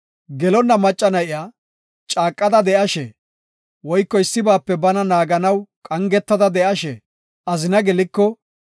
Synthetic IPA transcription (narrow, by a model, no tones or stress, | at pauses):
ɡɛlɔnːɐmɐt͡ʃʼːɐnɐjɪjaː | t͡ʃʼaːkʼːɐd̪ɐd̪ɛʔɐʃɛ̰ | wɔjkːɔɪsːɪbaːpːɛbɐnɐnaːɡɐnɐwkʼɐŋɡɛt̪ːɐd̪ɐd̪ɛʔɐʃɛ̰ | ʔɐzɪnɐɡɛlɪkːɔ